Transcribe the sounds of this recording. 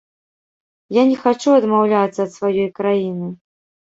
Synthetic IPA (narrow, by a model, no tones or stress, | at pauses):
janʲɛxat͡ʂuɐd̪mawlʲat̪sːɐːt̪svajɔjkɾajinɨ